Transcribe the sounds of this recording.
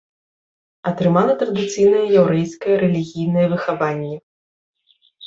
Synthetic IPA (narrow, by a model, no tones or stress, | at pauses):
ɐt̪ɾɨmalˠɐt̪ɾɐd̪ɨt̪sɨjnɐjɐjawɾɛjskɐjɐɾɛlʲiɣʲijnɐjɐvɨxavanʲːɛ